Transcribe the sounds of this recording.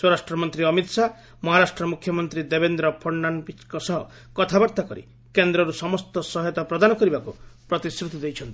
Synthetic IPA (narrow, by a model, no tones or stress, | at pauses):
swɔɾasʈɾɔmɔnt̪ɾiɔmit̪sa | mɔɦaɾasʈɾɔmukʰjɔmɔnt̪ɾid̪ebend̪ɾɔpʰɔɾnanpit͡ʃkɔsɔɦɔ | kɔt̪ʰabɔɾt̪akɔɾḭ | kend̪ɾɔɾusɔmɔst̪ɔsɔɦjɔt̪ɔpɾɔd̪anɔkɔɾibakupɾɔt̪isɾut̪ɔd̪ejt͡ʃʰɔnt̪i̥